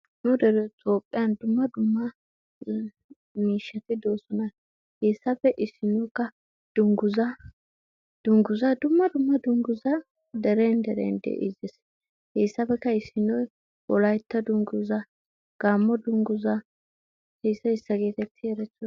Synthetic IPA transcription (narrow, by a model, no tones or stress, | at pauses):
nʊd̪ɛɾɛt̪ʼoːpʼːɪjɐnd̪ʊmːɐd̪ʊmːɐ | miːʃːɐt̪ɪd̪o̞ːsɔnɐ | he̞ːsːɐpɛʔɪsːɪnɔjkːɐ | d̪̥ʊŋɡʊzɐ | d̪̥ʊŋɡʊzɐd̪ʊmːɐd̪ʊmːɐd̪ʊŋɡʊzɐ | d̪ɛɾeːnd̪ɛɾḛːnd̪ḛʔɪ̰zes | heːsːɐbɛkːɐɪsːɪnɔj | wɔlɐjt̪ːɐd̪ʊŋɡʊzɐ | ɡ̥aːmːɔd̪ʊŋɡʊzɐ | he̞ːsːɐɪsːɐɡe̞ːt̪ɛt̪ʰːɪɛɾɛt͡sːɔ